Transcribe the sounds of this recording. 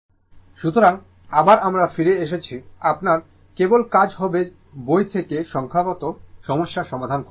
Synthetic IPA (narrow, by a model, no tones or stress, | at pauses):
ʃut̪oɾaŋ | abaɾamɾafiɾeeʃ̬et͡ɕʰiapnaɾ | kebolkad͡ʑɦɔbe | bojt̪ʰekeʃɔŋkʰapɔt̪oʃɔmoʃːaʃɔmad̪ʱanko